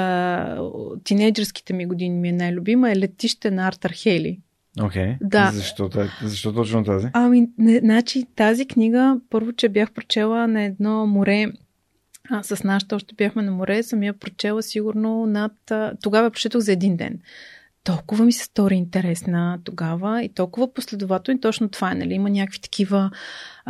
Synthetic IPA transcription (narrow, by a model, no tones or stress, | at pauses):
o̰t̪ːinɛjd͡ʒɛɾski̥t̪ɛmiɡʊd̪inimiɛnajlʲʊbiməɛlɛt̪iʃt̪ɛnɐaɾt̪ɐɾxɛlḭ | okʲɛjd̪azɐʃt̪ɔt̪zɐʃt̪ɔt̪ɔt͡ʃnot̪aziɐminɛnat͡ʃit̪azikniɡəpɤɾvot͡ʃɛbjaxpɾot͡ʃɛlˠənɐɛd̪nɔmoɾɛ | səsnaʃ̬t̪ɔʃt̪ɛbʲjaxmɛnɐmoɾɛsɐmiəpɾot͡ʃɛlˠəsiɡʊɾnonɐt̪t̪oɡavɐɛpɾo̥t͡ʃɛt̪oxɣzɐɛd̪ind̪ɛ̰n | t̪ɔlˠkʊvəmisɛ̥st̪ɔɾʲiint̪ɛɾɛsnət̪oɡavəit̪ɔlˠkʊvəposlɛd̪ʊvat̪ɛlˠnit̪ɔt͡ʃnot̪ov̥aɛnɐ̰liimənʲakəkvi̥t̪ɐ̥kivə